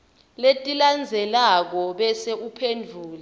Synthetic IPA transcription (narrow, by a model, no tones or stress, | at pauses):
letʼiland͡zʱɛlak̬ɔɓɛseʔupʰendʱuːli